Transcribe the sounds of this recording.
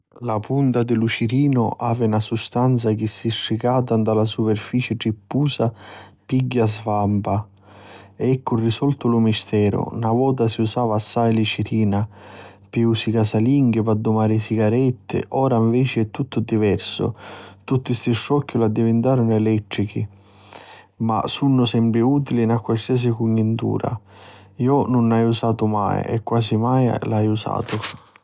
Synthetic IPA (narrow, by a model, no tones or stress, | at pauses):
lapunt̪ad̪ɪlut͡ʃiɾiːnʊ̰ʔa̰ːvɪnasust̪ant̪sak̟ɪsːiʃːikaːt̪and̪alasupɛrfiːt͡ʃɪʈipːuːsapiɡːazvampa | ɛɛkːʊrːisɔlt̪ʊlʊmist̪ɛːɾʊ̰navɔːt̪̬asiusaːvaːsːajlit͡ʃiɾiːnapeusikasaliŋɡɪpad̪ːʊmaːɾɪsiɡaɾɛt̪ːɪ̰ʔɔːɾaiɱvɛːt͡ʃɪɛt̪ːut̪ːʊd̪ivɛrsʊ̰t̪ut̪ːist̪ɪʃːɔkːʊlad̪ːivɪnt̪aːɾʊnʊɛlɛt̪ːɾik̟i | ma̰sunːʊsɛmpɾɪuːt̪ilinakːwalsiɛs̬ikuɲːint̪ṵːɾa̰ | iːʊnʊnajusaːt̪ʊma̰j̰ɛ̰kːwaːsimaj̰lajusa̰ːt̪ʊ